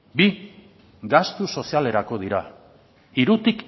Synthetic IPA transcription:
bi | ɡast̪uso̞siale̞ɾako̞ð̞iɾa | iɾut̪ik

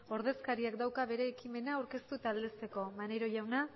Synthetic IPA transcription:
o̞ɾð̞e̞skaɾiakd̪awkaβe̞ɾe̞ːkime̞naːwɾke̞st̪ut̪aːld̪e̞st̪e̞ko̞mane̞ɾo̞ʝawna

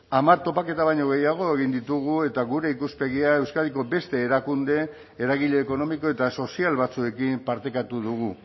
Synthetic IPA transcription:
amaɾt̪o̞pake̞t̪aβajɲo̞ɣ̞e̞jaɣ̞o̞eɣind̪it̪uɣue̞t̪aɣuɾe̞ikuspe̞ɣ̞iae̞wskaðiko̞be̞st̪e̞ːɾakund̪e̞ː | ɾaɣiʎe̞ːko̞no̞miko̞e̞t̪aso̞sialβat͡sue̞kimpaɾt̪e̞kat̪uðuɣ̞u

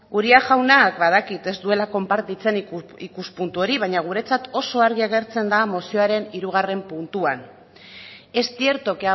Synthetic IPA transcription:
ɡuɾiaʝawnakbað̞akit̪e̞zd̪ue̞lako̞mpaɾt̪it͡se̞nikuspunt̪uo̞ɾiβajɲaɣ̞uɾe̞t͡sat̪o̞so̞aɾɣiaɣe̞ɾt͡se̞nd̪amosio̞aɾe̞niɾuɣ̞are̞mpunt̪uan | e̞st̪ie̞ɾt̪o̞kea

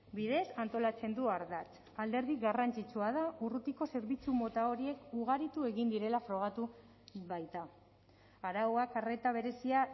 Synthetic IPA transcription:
biðe̞sant̪o̞lat͡se̞nd̪uaɾðat͡s | ald̪e̞ɾð̞iɡarant͡ʃit͡suað̞aurut̪iko̞se̞ɾβit͡sumo̞t̪ao̞ɾie̞kuɣaɾit̪ue̞ɣind̪iɾe̞lafɾo̞ɣ̞at̪u | βajt̪a | aɾawakare̞t̪aβ̞e̞ɾe̞sia

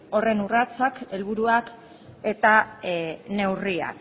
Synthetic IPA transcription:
o̞re̞nurat͡sake̞lβuɾuak | e̞t̪a | ne̞wria̰k

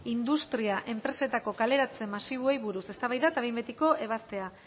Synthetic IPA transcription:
ind̪ust̪ɾiaʔe̞mpɾe̞se̞t̪ako̞kale̞ɾat͡se̞masiβ̞oe̞jβuɾuse̞st̪aβajðat̪aβembet̪iko̞ʔe̞β̞ast̪e̞a

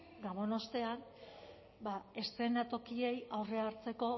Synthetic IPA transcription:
ɡaβo̞no̞st̪e̞an | bae̞st̪ɾe̞nat̪o̞kie̞jawre̞aɾt͡se̞ko̞

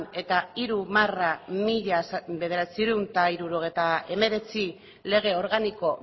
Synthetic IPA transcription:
ne̞t̪aiɾumaramiʎasbe̞ðe̞ɾat͡siɾunt̪aiɾuɾo̞ɣ̞ejt̪ae̞me̞ɾe̞t͡si | le̞ɣ̞e̞o̞ɾɣaniko̞

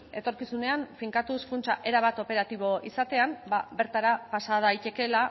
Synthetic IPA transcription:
e̞t̪o̞ɾkisune̞anfiŋkat̪uskunt͡ʃaʔe̞ɾaβat̪o̞pe̞ɾat̪iβ̞o̞ʔisat̪e̞ambaβe̞ɾt̪aɾapasaðajt̪e̞ke̞la

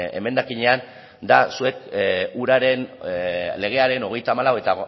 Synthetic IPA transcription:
e̞̰me̞nd̪akiɲe̞an | d̪asue̞kuɾaɾe̞n | le̞ɣ̞e̞aɾe̞no̞ɣ̞e̞jt̪aːmalawe̞t̪a

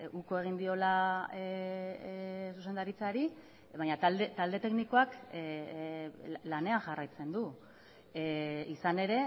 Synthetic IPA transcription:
uko̞e̞ɣ̞ind̪io̞la | suse̞nd̪aɾit͡saɾi | βaɲat̪ald̪et̪ald̪e̞t̪e̞kniko̞ak | lane̞anʝarajt͡se̞nd̪u | isane̞ɾe̞

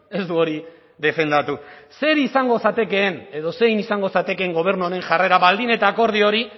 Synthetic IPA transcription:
e̞zd̪uo̞ɾi | ðe̞fe̞nd̪at̪use̞ɾisaŋɡo̞sat̪e̞ke̞ːne̞ðo̞se̞jnisaŋɡo̞sat̪e̞keːŋɡo̞β̞e̞ɾnuaɾe̞ŋʝare̞ɾaβald̪ine̞t̪aːko̞ɾð̞io̞ɾi

